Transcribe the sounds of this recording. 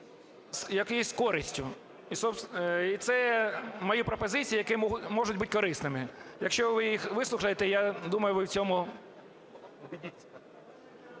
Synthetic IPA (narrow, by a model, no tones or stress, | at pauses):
sjɐkɛjisʲskɔɾɪsʲtʲʊ | isɔpsit̪sɛmɐjupɾɔpɔzɪt͡sʲijijɐkɛmɔʒʊtʲbutʲkɔɾɪsnɪmɪjɐkʃt͡ʃɔʋɪjixʋɪslˠʊxɐjet̪ɛjad̪umɐjʊʋɪʊwt͡sʲɔmʊ | idʲi